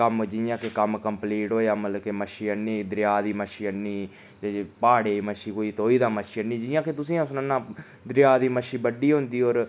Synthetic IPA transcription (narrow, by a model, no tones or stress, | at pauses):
kəmd͡ʒɪjãːkekəmkəmpliːʈɦoːjaːmələkeməʃiːənːiːd̪ɾɪjaːd̪iːməʃiːənːiː | d͡ʒapaːɽeːməʃiːkoːiːt̪oːiːd̪aːməʃiːənĩːd͡ʒɪjãːket̪ʊsĩːʊsnənːãː | d̪ɾɪjaːd̪iːməʃiːbəɖiːɦõnd̪iːoːɾ